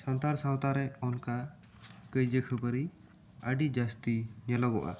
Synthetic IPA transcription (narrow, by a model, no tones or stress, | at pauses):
sawt̪aɾsawt̪aɾɛɔnka | kəjd͡ʒəkʰəbəɾi | əɖid͡ʒast̪iɲəlɔɡɔʔa̰